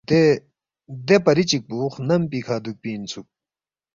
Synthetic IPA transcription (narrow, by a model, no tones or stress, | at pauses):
e | d̪epɐɾit͡ɕik̚puːχnɐmpiːkʰaːd̪uk̚piːnt͡sʰuk̚